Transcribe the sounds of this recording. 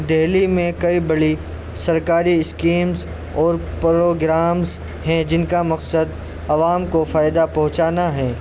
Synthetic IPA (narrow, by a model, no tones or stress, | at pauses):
d̪ɛɦlimẽkɐibɐɽi | sɐɾkaːɾiɪskiːmz | ɔːɾpɾoːɡɾaːmz | ɦɛ̃d͡ʒɪnkamɐqsəd̪ | ɐʋaːmkofaːɪd̪apɐ̃ɦʊ̃t͡ʃaːnaɦɛ̃ː